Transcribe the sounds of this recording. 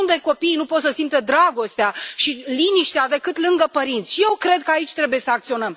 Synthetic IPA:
und̪e̞ko̞pijnupot̪səsimt̪ed̪ɾaɡo̞st̪eaʃiliniʃt̪ead̪e̞kɨt̪lɨŋɡəpəɾint̪sʲʃije̞wkɾe̞d̪̚kəait͡ʃʲt̪ɾe̞bujesəakt̪sio̞nəm

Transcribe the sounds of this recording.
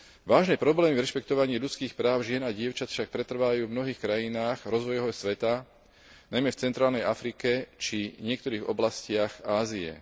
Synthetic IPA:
ʋaːʒnɛːpɾɔblɛːmivɾɛʃpɛkt̪ɔʋaɲiːʎut͡skiːxpɾaːʊʒɪɛnaɟɪɛʊt͡ʃat̪fʃak̚pɾɛt̪r̩ʋajuːvmnɔɦiːxkɾajinaːɣɾɔzʋɔjɔɦɔsʋɛt̪a | najmɛft͡sɛnt̪ɾaːlnɛjafɾikɛt͡ʃiɲɪɛk̚t̪ɔɾiːɣɔ̰blascɪaxaːziɛ̰

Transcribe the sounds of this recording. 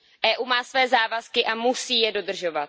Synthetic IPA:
ʔɛːʔuːmaːsvɛːzaːvaskɪʔamusiːjɛdo̞d̪r̩ʒo̞vat̪

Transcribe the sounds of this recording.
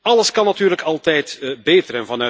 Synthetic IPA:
ɑləskɑnːɑtyːrləkɑlˠtɛjtbeːtərɛnvɑnœ

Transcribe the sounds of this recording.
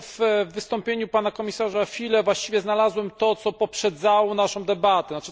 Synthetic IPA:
vːɘst̪ɔmpʲjeɲupanakɔmʲisaʐaxfʲilɛvwaɕt͡ɕivʲjɛznalazwɛmt̪ɔt̪sɔpɔpʂɛd̪zawɔnaʂɔ̃w̃d̪ɛbat̪ɛnat͡ʂ

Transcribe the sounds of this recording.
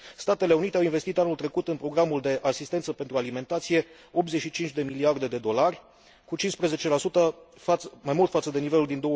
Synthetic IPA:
st̪at̪e̞le̞unit̪e̞awinve̞st̪it̪anult̪ɾe̞kut̪ɨnpɾo̞ɡɾamuld̪e̞ʔasist̪e̞nt̪səpent̪ɾualime̞nt̪at̪sije̞ | o̞p̚t̪ze̞ʃit͡ʃint͡ʃd̪e̞miliard̪e̞d̪e̞d̪o̞larʲ | kut͡ʃinspɾe̞ze̞t͡ʃe̞lasut̪əfmajmult̪fat̪səd̪e̞nive̞luld̪ind̪o̞wə

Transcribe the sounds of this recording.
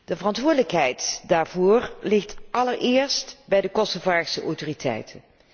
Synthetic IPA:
d̥əvərɑntʋʊːɹdələkɦɛjtdaːɹvʊːɹlɪχtʔɑləɹɪːɹstbɛjdəkɔsovaːsəʔɔwtoːritʰɛ̰jtʰən

